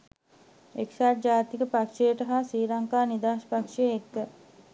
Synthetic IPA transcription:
eksaːʈ̚d͡ʒaːt̪ikəpakʂejəʈəɦaːsiːɾaŋkaːnid̪aːʃpakʂejet̪ːə

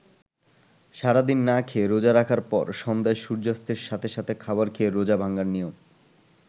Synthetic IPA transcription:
ʃaɾad̪inːakʰeɾod͡ʑaɾakʰaɾpɔ̰ɾʃɔnd̪aeʃuɾd͡ʑast̪eɾʃat̪ʰeʃat̪ʰekʰabaɾkʰieɾod͡ʑabʱaŋɡaɾnijom

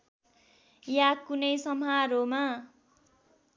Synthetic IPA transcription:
jakunʌjsʌmaɾoma

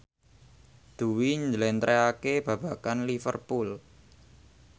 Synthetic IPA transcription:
d̪̥ṳwiɲd͡ʒəlɛnt̪ɾeakeb̥ä̤b̥akanlifə̰rpul

